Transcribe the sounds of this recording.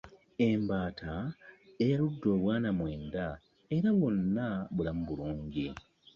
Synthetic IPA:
e̞mbaːtʰaejaludːo̞ːβwaːnamwe̞ːnda | e̞ɾaβonːaβulamuβuluːɲɟi

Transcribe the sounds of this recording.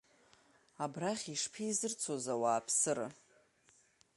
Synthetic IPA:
abraχʲiʂpʰizɨrt͡sʰozawaːpʰsɨɾa̰

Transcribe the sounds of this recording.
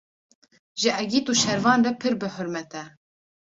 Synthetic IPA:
ʒɨʔɛɡiːt̪uːʃɛɾvɑːnrɛpʰɨɾbɨħʊɾmɛt̪ɛ

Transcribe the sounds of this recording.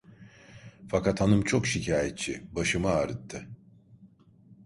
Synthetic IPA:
fakat̪hanɯmt͡ʃʰokʃicʰaːjɛt̪̚t͡ʃʰibaʃɯmaaɾɯt̪ʰːɯ

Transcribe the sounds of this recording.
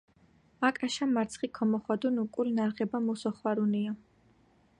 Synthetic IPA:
akʼaʃamaɾt̪sʰχikʰɔmɔχwad̪unukʼulinaɾʁɛbamusɔχwaɾunia

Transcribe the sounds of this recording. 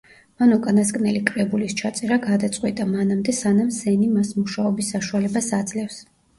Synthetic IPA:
manukʼanaskʼnɛlikʼɾɛbulist͡ʃʰat̪sʼɛɾaɡad̪at̪sʼqʼwit̪ʼamanamd̪ɛsanamsɛnimasmuʃaɔbisːaʃualɛbasad̪zlɛfs

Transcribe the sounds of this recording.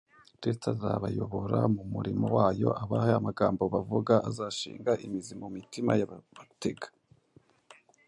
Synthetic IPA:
ɾistazaβajo̞βoɾa̰mumuɾimowaːjo̞̰ʔaβahajamaɡaːmbo̞βavuɡaʔazaːʃḭːŋɡaʔimizimumitima̰jaateɡḁ

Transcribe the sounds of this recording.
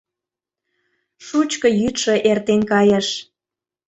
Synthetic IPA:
ʃut͡ɕkɤ̆jyt̪ʃɤ̆ʔert̪enkɑjə̆ʃ

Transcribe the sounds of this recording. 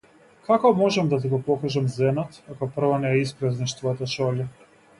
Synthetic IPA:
kakɔmɔʒɛmd̪at̪̬iɡɔpɔkaʒamzɛnat̪akɔpr̩vɔnɛɛispɾaznaʃt̪vɔjat̪aʃɔla

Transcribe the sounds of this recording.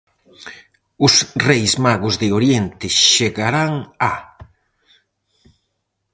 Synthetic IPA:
ʊsrejsmaɣʊzðɪoɾjent̪ɪʃeɣaɾaŋa

